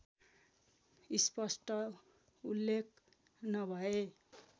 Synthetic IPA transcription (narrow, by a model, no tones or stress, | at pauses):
ispʌsʈʌ | ulːekʰ | nʌbʱʌe